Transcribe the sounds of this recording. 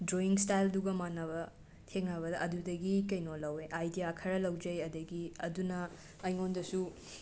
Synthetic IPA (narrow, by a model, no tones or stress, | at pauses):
dɾoiŋstajlduɡɐmanːɐβɐ | tʰeŋɐβɐdɐʔɐdudɐɡikɐjnolɐweʔajdijakʰɐɾɐlɐwd͡ʒɐjɐdɐɡiɐdunɐ | ɐjŋondɐsu